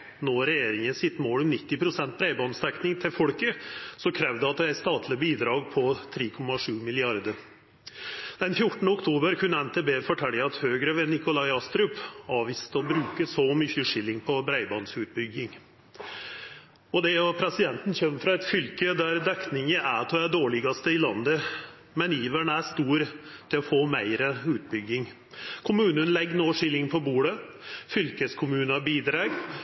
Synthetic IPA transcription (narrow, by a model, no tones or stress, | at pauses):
nɔɾɛjeːɾɪŋənsɪt̪ːmoːlɔmnɪt̪ːɪpʰɾʊsɛnt̪̚bɾæɪbɑːnəsd̪ɛknɪŋt̪ʰɪlfɔɽkəsɔkʰɾɛːʋd̪əɑt̪̚d̪ɛæɪst̪ɑːt̪ʰlɪbiːd̪ɾɑːɡ̚pʰɔt̪ʰɾiːkʰɔmːɑʂʉːmɪlɪɑɾd̪əɾ | d̪ɛnfjʊʈːɳ̩əʊkt̪ʰuːbəɾkʰʉnːəɛnt̪ʰeːbeːfɔʈʰɛləɑt̪høːɡɾəʋɛnɪkʊlɑɪɑst̪ɾʉpɑːʋiːst̪əɔbɾʉːkəsɔmʏçəʂɪlːɪŋpʰɔbɾæɪbɑnsʉːt̪̚bʏɡːɪŋ | ɔd̪ɛɔpʰɾɛsɪd̪ɛnt̪n̩çɛmːfɾɑɛt̪fʏlkəd̪æɾd̪ɛknɪŋəʔæt̪ʰːæd̪oːɭɪɡɑst̪əɪlɑnd̪ə | mɛniːʋæɳəæʂt̪uːɾt̪ʰɪlɔfoːmæɪɾəʉːt̪̚bʏɡːɪŋ | kʰʊmʉːnənlɛɡːnoːʂɪlːɪŋpʰɔbuːɽə | fʏlkəskʰʊmʉːnɑbiːd̪ɾɑːɡ